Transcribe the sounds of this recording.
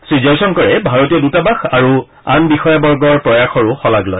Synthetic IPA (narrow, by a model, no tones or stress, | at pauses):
sɹizɔsɔnkɔɹɛbʱaɹɔtijɔdutabaxaɹu | anbixɔjabɔɹɡɔɹpɹɔjaxɔɹʊxɔlaɡlɔj